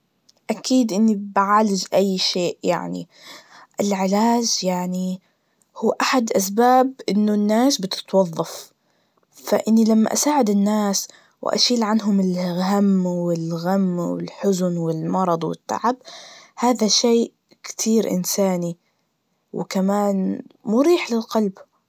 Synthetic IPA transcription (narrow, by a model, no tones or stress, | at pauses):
ʔakiːd̪ʔɪnːibʕaːlɪd͡ʒʔajːʃeːʔja̰ʕnḭ | ʔɪlʕɪlaːd͡ʒjaʕni | huːʔaħad̪ʔas̬baːbʔɪnːʊnːaːsbɪt̪ɪ̥t̪wɑðˤːɑf | fa̰ʔɪnːilamːa̰ʔasaːʕɪd̪ɪnːaːs | w̰ʔa̰ʃiːlʕanɦʊmɪlɦamːwɪlɣamːwɪ̰lħʊzʊnwɪlmɑɾˤɑd̪ˤwɪ̰t̪ːa̰ʕabhaːðaʃeːʔ | kt̪ʰiːɾʔɪ̰nsaːni | wɪ̰kamaːnmuːɾiːħlɪlqɑlb